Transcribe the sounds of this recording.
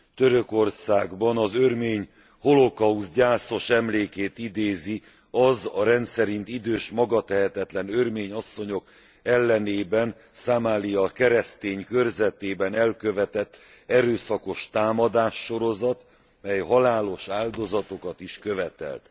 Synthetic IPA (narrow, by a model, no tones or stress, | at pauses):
t̪øɾøko̞rsaːɡbɒnɒzørmeːɲ | ho̞lo̞kɒuzɟaːso̞ʃɛmleːkeːt̪id̪eːzi | ɒzɒɾɛnt̪sɛɾint̪id̪øːʃmɒɡɒt̪ɛɦɛt̪ɛt̪lɛnørmeːɲɒsːo̞ɲo̞k | ɛlːɛneːbɛn | samaːlijɒkɛɾɛst̪eːɲkørzɛt̪eːbɛnɛlkøvɛt̪ɛt̪ː | ɛɾøːsɒko̞ʃt̪aːmɒd̪aːʃːo̞ɾo̞zɒt̪ | mɛjɦɒlaːlo̞ʃaːld̪o̞zɒt̪o̞kɒt̪iʃkø̞vɛt̪ɛ̰lt̪